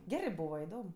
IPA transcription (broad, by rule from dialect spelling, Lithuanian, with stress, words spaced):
ˈɡʲæːrɜ ˈbuːʋɐ ɪˈdoːm